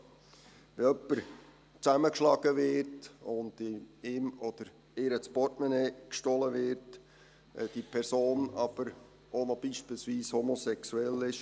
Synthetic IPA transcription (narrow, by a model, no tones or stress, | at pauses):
ʋeœpːəɾ | t͡sæməkʃlɑːɡ̥əvɪɾtʊndɪɪmod̥əɾ | eɾət͡sb̥ɔtmɛneːkʃtɔləvɪɾtː | d̥ipʰɛɾsoːnɑːb̥əɾ | onɔb̥iːʃpiːlsviːshomosɛksuɛlɪʃ